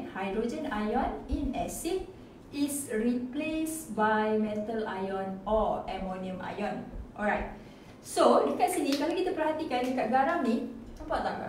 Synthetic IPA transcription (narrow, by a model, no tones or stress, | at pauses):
hajdɾod͡ʒə̃najɔnĩnɛsik̚ | isɹiplesbajmɛ̃t̪əla̰jɔ̃nɔɛmõniə̃mʔa̰jɔ̃nʔɔ̰lɹajt̪̚ | sodəkat̪̚sinikalokit̪apərhat̪ikandəkaʔ̚ɡaɾaŋnĩt̪ɔmpaʔt̪aa̰